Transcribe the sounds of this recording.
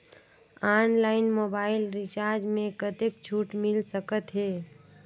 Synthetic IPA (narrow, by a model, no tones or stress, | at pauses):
anlaːɪnmoːbaːɪlɾɪt͡ʃaɾd͡ʒmẽkət̪ek̚t͡ʃʰuʈmɪlsəkət̪ɦeː